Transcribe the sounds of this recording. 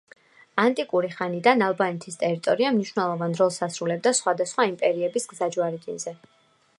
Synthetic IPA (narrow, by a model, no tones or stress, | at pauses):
ant̪ʼikʼuɾiχanid̪analˠbanɛt̪ʰist̪ʼɛɾit̪ʼɔɾiamniʃwnɛlˠɔvanɾɔlˠsasɾulɛb̚d̪asχwad̪asχwaimpʼɛɾiɛbisɡzad͡ʒwaɾid̪inzɛ